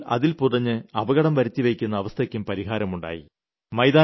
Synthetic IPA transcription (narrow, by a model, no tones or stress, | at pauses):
ɐ̰ðilpurɐɲːɨɐbɐɣɐɽɐmʋɐɾɐt̪ːiʋejkʲːunːɐːʋɐst̪ʰɐkʲːumpɐɾiɦaːɾɐmuɳɖa̰ːjḭ | mɐjd̪aː